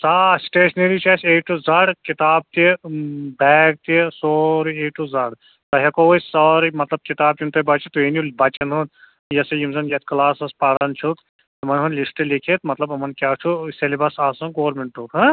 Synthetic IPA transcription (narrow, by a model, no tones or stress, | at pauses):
saːsʈeːʃneɾit͡ʃʰaːseːʈuzaɽkit̪aːb̚t̪ibɛːɡ̚t̪isoːɾeːʈuzɐːɽ | t̪ɐɦɐkosɔːɾimɐt̪lɐb̚kit̪aːb̚t̪umt̪ɐbɐt͡ʃɐt̪ueniubɐt͡ʃɐnɦud̪ | jɐsɐjimzɐnjɐt̪ʰkɐlaːsɐspaːɾɐnt͡ʃʰut̪ | ɐmɐnɦunlisʈelikʰet̪mɐt̪lɐbɐmɐnkʲaːt͡ʃʰuselibɐsaːsɐɡoːɾmeɳʈuːkɦɐ̃